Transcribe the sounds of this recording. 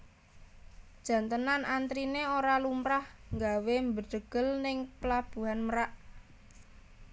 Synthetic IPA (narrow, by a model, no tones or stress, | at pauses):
d̥ʒ̥ä̤nt̪ənanʔant̪ɾineoɾalumɾahŋɡawembəd̥əɡ̥əlnɪŋpəlab̥ṳɦanməɾaʔ